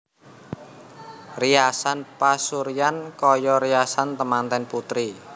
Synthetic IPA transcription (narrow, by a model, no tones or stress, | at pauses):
riasanpasuɾijankɔjɔɾijasant̪əmant̪ɛnput̪ɾi